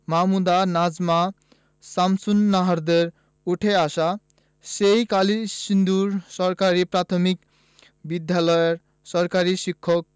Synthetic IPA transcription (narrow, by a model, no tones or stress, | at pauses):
mamud̪anad͡zma | samsunːaɦaɾd̪eɾ | uʈʰeasa | sejkalisind̪uɾsɔɾkaɾipɾat̪ʰɔmik | bid̪ʱjalɔjeɾ | sɔɾkaɾisikʰːɔk̚